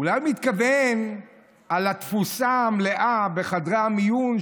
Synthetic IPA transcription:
ulajmit̪kaven | alat̪fusamleʔabe̞χad̪ʁamijun

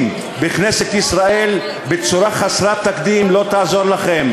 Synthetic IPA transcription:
m | beχneset̪isɾae̞l | bet͡suɾaχasɾat̪ːakd̪imlo̞t̪aazo̞ʁlaχe̞m

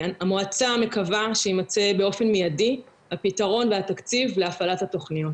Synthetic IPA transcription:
amoat͡same̞kavaʃeimat͡sebeo̞fe̞nmijadi | hapitaʁo̞nveat̪akt͡sivleafalathato̞χnijot

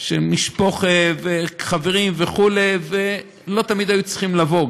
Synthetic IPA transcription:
ʃemiʃpo̞χeveχaveʁimveχule̞ve | lo̞t̪amid̪hajut͡si̥χimlavo̞ɡ

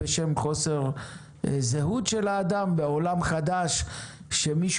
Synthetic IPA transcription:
eʃemχo̞se̞ʁ | zeɦut̪ʃe̞laːd̪ambeolamχad̪aʃʃemiʃ

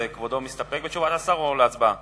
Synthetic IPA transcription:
ekvod̪omist̪apek̚bet͡ʃuvat̪asaʁoleat͡sba

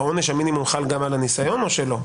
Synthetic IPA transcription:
o̞neʃaminimumχalɡamalanisajo̞no̞ʃe̞lo̞

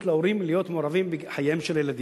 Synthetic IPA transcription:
t̪laoɾimlejot̪moɾavimbeħajemʃeljelad̪i

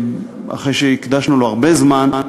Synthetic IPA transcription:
a̰χejʃeikd̪aʃnuloaʁbezman

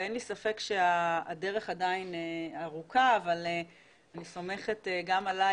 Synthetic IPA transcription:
enlisafe̞kʃeaːde̞ʁe̞χadaineaʁukaːvale | aniso̞me̞χe̞teɡamala

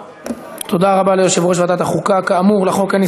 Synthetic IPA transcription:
t̪od̪aʁabalejoʃevʁoʃ̬vat̪at̪aχukakaːmuʁlaχo̞kani

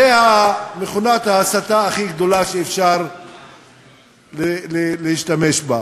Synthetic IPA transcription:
zehameχunat̪haːsat̪aːχiɡd̪o̞laʃeːfʃaʁ | llelehiʃt̪ameʃba

